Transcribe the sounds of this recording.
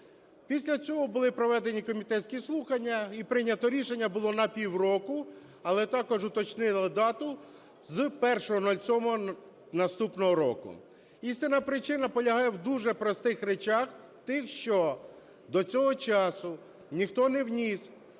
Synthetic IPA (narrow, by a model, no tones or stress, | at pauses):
pʲisʲlʲɐt͡sʲɔɦɔbʊlˠɪpɾɔʋɛd̪enʲikɔmʲit̪ɛt̪ʲsʲkʲislˠuxɐnʲːɐipɾɪnʲːɐt̪ɔɾʲiʃenʲːɐbʊlˠɔnɐpʲiwrɔkʊ | ɐlˠɛt̪ɑkɔʒʊt̪ɔt͡ʃnɪlˠɪd̪ɑt̪ʊ | zpɛrʃɔɦɔnɔlʲt͡sʲɔmɔ | nɐst̪upnɔɦɔɾɔ̰kʊ̰ | ist̪ɪnɐpɾɪt͡ʃɪnɐpɔlʲɐɦɑjɛwd̪uʒɛpɾɔst̪ɪxɾet͡ʃɑxwt̪ɪxʃt͡ʃɔ | d̪ɔt͡sʲɔɦɔt͡ʃɑsʊ | nʲixt̪ɔnɛwnʲis